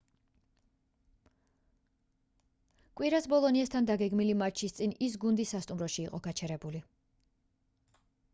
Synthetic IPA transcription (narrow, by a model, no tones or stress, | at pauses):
kʼwiɾasbɔlˠɔniast̪ʰand̪aɡɛɡmilimat͡ʃʰist̪sʼinisɡund̪isːast̪ʼumɾɔʃiːqʼɔɡ̥at͡ʃʰɛɾɛbuli